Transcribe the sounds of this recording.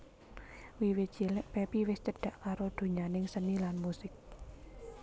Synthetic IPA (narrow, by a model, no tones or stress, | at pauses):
wiwɪt̪̚d͡ʒ̥ilɪʔpɛpiwɪst͡ʃəɖ̥a̤ʔkaɾod̪̥o̤ɲanɪŋsənilanmusɪk̚